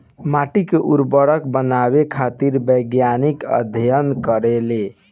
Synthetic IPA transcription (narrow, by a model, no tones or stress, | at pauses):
maʈikeʔuɾbəɽəkbənaβekʰat̪iɾbəjɡjanikə̰d̪ʱjənkəɾele